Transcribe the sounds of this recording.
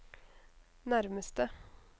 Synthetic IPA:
næɾməst̪ə

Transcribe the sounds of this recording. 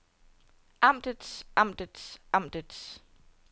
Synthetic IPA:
ʔɑ̈m̰d̥əd̥sʔɑm̰d̥əd̥sʔɑ̈m̰d̥əd̥s

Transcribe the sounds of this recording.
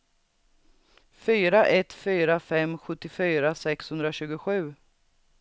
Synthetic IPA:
fyːɾaʔɛt̪fyːɾafɛmɧɵt̪ːɪfyːɾasɛkshɵnd̪ɾaɕʉ̟ːɡʊɧʉ̟ː

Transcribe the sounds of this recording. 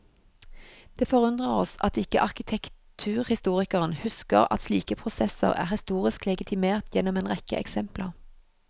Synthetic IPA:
d̪̥eːfɔʁʉnd̪ʁəʁɔsɑt̪ɪkə̰ʔɑʁkɪt̪ʰɛkt̪ʰʉːʁhɪst̪uːʁɪkəʁənhʉskə̰ʁɑ̰t̪sliːkəpʰʁʊsɛsə̰ʁæ̰ːʁhɪst̪uːʁɪsklɛɡɪt̪ʰɪmeːʁt̪ʰjɛnɔmeːnʁɛkə̰ʔɛ̰ksɛmpləʁ

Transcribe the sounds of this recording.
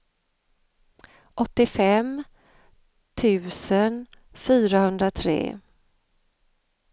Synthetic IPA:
ʔɔt̪ːɪfɛm | t̪ʰʉ̟ːsən | fyːɾahɵnd̪ɾat̪ʰɾḛː

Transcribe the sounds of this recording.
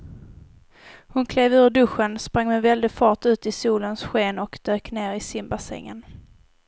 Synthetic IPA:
hʊnkʰleːvʉ̟ːɖɵɧənspɾaŋːmɛvɛld̪ɪfɑːʈʉ̟ːt̪ɪsuːlənsɧeːnɔkd̪̥øːkneːɾɪsɪmbasɛ̰ŋːə̰n

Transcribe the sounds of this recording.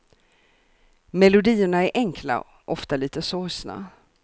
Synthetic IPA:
mɛlʊd̪iːəɳaæɾʔɛŋkʰla̰ | ʔɔft̪aliːt̪əsoːsna̰

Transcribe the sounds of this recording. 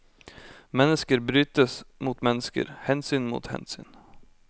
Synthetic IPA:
mɛnːəskəɾbɾyːt̪əsmʊt̪mɛnːɪskə̰ɾhɛːnsyːnmʊ̰t̪hɛ̰ːnsy̰ːn

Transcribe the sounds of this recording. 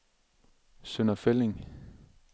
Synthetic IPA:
sønɐfeleŋ

